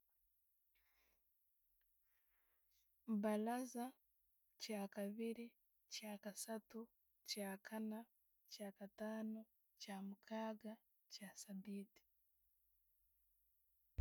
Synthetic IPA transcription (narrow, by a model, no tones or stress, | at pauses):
balaza | caːkaβiɾi | caːkasatu | caːkʰana | caːkataːno | caːmukʰaːɡa | casadiːti̥